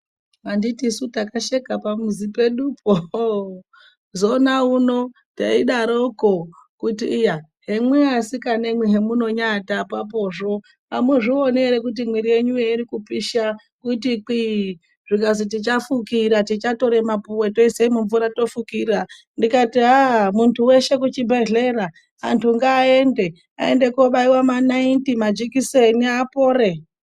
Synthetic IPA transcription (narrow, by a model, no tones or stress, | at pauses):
anditisutakaʃekapamuzipe̞ɗupʰo | zonauno̞ | ta̰iɗaɾo̞kokutḭːjaɦe̞mweasikane̞mweɦe̞muno̞ɲatapap̬o̞ʐo̞ | amweʐioneɾek̬ut̬imwiɾije̞ɲujeiɾikupiʃa | kutik͡pi | ʐikazit̬it͡ʃafukiɾatit͡ʃato̞ɾe̞mapuweto̞iseimuɱvuɾato̞fukiːra | ndikatiɦamuntʰuwe̞ʃe̞kut͡ʃibʱe̞ɮe̞ɾa | antʰuŋɡaːe̞nde̞ | a̰e̞̰nde̞koɓaiwamanaintimad͡ʒikiseniapo̞ːre